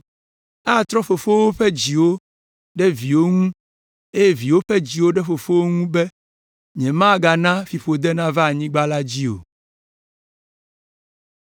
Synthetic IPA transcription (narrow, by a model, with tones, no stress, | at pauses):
a˦˨t̪ɾɔ˦ɸo˨fo˦wo˦ɸɛ˦d͡ʑi˨wo˦ | ɖɛ˦vi˨wo˦ŋũ˦ | e˦je˦vi˨wo˦ɸɛ˦d͡ʑi˨wo˦ɖɛ˦ɸo˨fo˦wo˦ŋũ˦bɛ˦ | ɲɛ̃˨mã˦˨ɡa˨nã˦fi˨ɸo˨d̪ɛ˦nã˦va˦˨ɲĩ˦ɡ͡ba˦la˦d͡ʑi˦o̰˨